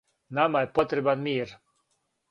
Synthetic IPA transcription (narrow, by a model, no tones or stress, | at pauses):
namajepot̪ɾɛbanmiːɾ